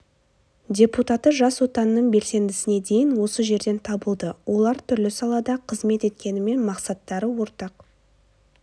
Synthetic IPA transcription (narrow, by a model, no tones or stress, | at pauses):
dʲe̞put̪ɑt̪əʒɑswo̞t̪ɑnəːəɴbe̞lse̞nd̪ɪsɪne̞d̪e̞jɪnwo̞səʒe̞ɾd̪e̞nt̪ʰɑbəlˠd̪əwʔo̞lˠɑɾt̪ʰʏɾlɪsɑlˠɑd̪ɑqʰəzme̞t̪e̞t̪̚kʲe̞nɪme̞nmɑqsɑt̪ːɑɾəwo̞ɾt̪ɑq